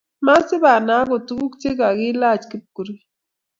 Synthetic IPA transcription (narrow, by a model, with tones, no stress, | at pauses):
ma˦sɪ˦ba˨na˨˦ko˨tu˦ɡu˦kt͡ʃe˦ka˨ɡi˦la˦˨t͡ʃki˦p̚ku˨ɾi˦